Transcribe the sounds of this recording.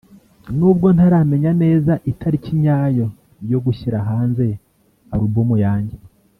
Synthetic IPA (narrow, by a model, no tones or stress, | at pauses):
nuːbɡo̞n̥aɾame̞ɲane̞ːzaʔitaɾiciɲaːjo̞ | jo̞ɡuçiɾaɦaːnze̞ | aɾubumujaːɲɟe